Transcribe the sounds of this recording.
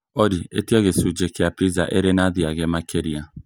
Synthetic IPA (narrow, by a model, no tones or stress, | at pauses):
ɔdietiaɣesud͡ʒekeapɾizaʔeɾenad̪iaɡemakʰeɾia